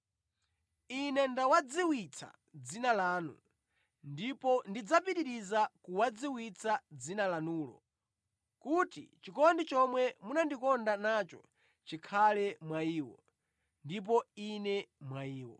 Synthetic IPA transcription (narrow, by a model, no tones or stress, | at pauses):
inɛndawad͡ziwit͡sʰa̰ | d͡zinalaːnṵ | ndipɔndid͡zapiɾiɾizakuwad͡ziwit͡sʰad͡zinalanuːlɔ̰ | kutḭt͡ʃikɔndit͡ʃɔmwɛmunandikɔndanat͡ʃɔ | t͡ʃikʰalɛmwaiːwɔ̰ | ndip̬ɔinɛmwaiːwɔ̰